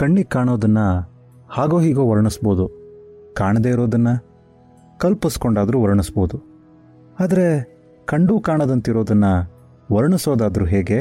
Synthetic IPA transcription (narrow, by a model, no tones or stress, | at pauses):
kɐɳːikaːɳoːd̪ɐnːɐ | haːɡoːɦiːɡoːʋɐɾɐɳisboːd̪ukaːɳɐd̪eːiɾo̞ːd̪ɐnːɐ | kɐlpiskoɳɖaːd̪ɐɾuʋɐɾɐɳisboːd̪u | aːd̪ɐɾe̞ | kɐɳɖuːkaːɳɐd̪ɐnt̪iɾoːd̪ɐnːɐ | ʋɐɾɐɳisoːd̪aːd̪ɐɾuɦeːɡe̞